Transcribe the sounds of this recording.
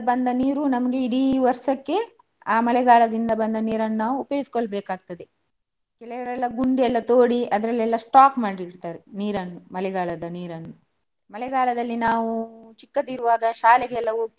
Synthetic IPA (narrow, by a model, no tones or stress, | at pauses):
bɐnd̪ɐniːɾunɐmɐɡe̞iɽiʋɐɾsɐkːe̞ | aːmɐlɛɡaːɭɐd̪ind̪ɐbɐnd̪ɐniːɾɐnːɐnaːʋuːpjoːɡisi̥koɭbeːkaːɡ̚t̪ɐd̪e | kɛlɛʋɐɾɛlːɐɡuɳɖiɛlːɐt̪oːɽiɐd̪ɐɾɐlːɛlːɐsʈaːkmaːɽiɾt̪aːɾeniːɾɐnːumɐlɛɡaːɭɐd̪ɐniːɾɐnːu | mɐlɛɡaːɭɐd̪ɐlːinaːʋut͡ʃikːɐt̪iɾuʋaːɡɐʃaːlɛɡeɛlːɐu